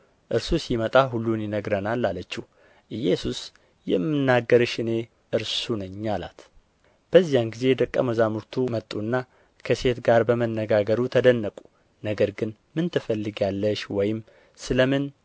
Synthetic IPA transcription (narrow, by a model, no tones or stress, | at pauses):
ʔɨɾsusimət̪ʼaɦulːunjɪnəɡɾənalːalət͡ʃːɪh | ʔɨjesus | jɛmːɨnːaɡːəɾɨʃɨne̞ | ʔɨɾsunəɲːala̰t̪ | b̥əzːijanɡize̞d̪əkʼːəməzamuɾt̪ʰumət̪ʼːunːa | kʰəse̞t̪ɡaɾbəmənːəɡaɡəɾut̪ʰəd̪ənːəkʼu̥ | nəɡəɾɡɨn | mɨnt̪ʰɨfəlːɨɡalːəʃwɔjɪm | sɨləmɨn